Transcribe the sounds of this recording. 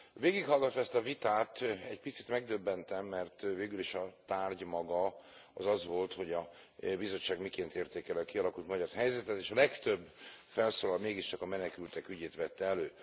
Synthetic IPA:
veːɡikhɒlɡɒt̪ʋɒɛst̪ɒvit̪aːt̪ɛɟpit̪sit̪mɛɡ̚d̪øbːɛnt̪ɛmːɛrt̪veːɡyliʃɒt̪aːrɟmɒɡɒɒzɒzʋo̞lt̪ho̞ɟɒ | bizo̞t͡ʃːaːɡmikeːnt̪eːrt̪eːkɛliɒkiɒlɒkult̪mɒɟɒrɦɛjzɛt̪ɛt̪eːʃɒlɛkt̪ø̞bːfɛlsoːlɒlmeːɡiʃt͡ʃɒkɒmɛnɛkylt̪ɛkyɟeːt̪ʋɛt̪ːɛɛløː

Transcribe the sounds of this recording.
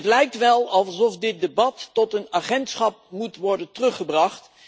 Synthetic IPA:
ətlɛjk̚tʋɛlˠɑlˠsɔfdɪt̚debɑtːɔtənaːχɛntsχɑp̚mutʋɔɹdəntərɵχəbrɑχt

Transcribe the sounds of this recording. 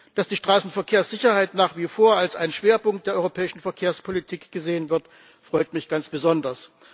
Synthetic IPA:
d̥asd̥iːʃtʁ̥aːsn̩fɛɐkʰeːɐsz̥ɪçɐhaɪtnaːχv̥iːfoːɐalsʔa̰ɪnənʃv̥eːɐpʊŋk̚t̚d̥eːɐɔʏʁopʰɛːɪʃn̩fɛɐkʰeːɐspʰolitʰiːkɡ̥əzeːənvɪɐt | fʁ̥ɔʏtmɪçɡ̥ant͡sb̥əzɔndɐs

